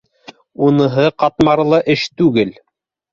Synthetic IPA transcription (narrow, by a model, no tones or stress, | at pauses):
unɤ̆ɦɤqɑt̪mɑɾɤlˠɤʔɘʃt̪ʉɡɘl